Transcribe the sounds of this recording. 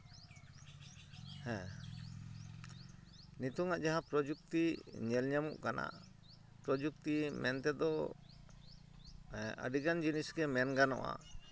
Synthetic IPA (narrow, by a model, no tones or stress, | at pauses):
hɛ̃ | nit̪uŋaʔd͡ʒaɦãpɾɔd͡ʒuk̚t̪iɲɛlɲamṵʔkanʔa̰ʔ | pɾɔd͡ʒuk̚t̪imɛnt̪ɛd̪ɔ | ə̰ɖiɡand͡ʒinisɡɛmɛnɡanɔ̰ʔa̰